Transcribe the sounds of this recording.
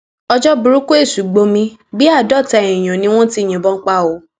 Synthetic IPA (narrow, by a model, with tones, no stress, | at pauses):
ɔ˧d͡ʒɔ˦bu˧ɾu˦ko˦e˦˨su˨˦ɡ͡bo˧mĩ˧bi˦a˦˨dɔ˦˨tɛ˧˨ĩ˨j̃ɔ̃˨nĩ˧˦w̃ɔ̃˦ti˧˨j̃ĩ˨bɔ˦ŋ̩˦k͡pa˦o˨˦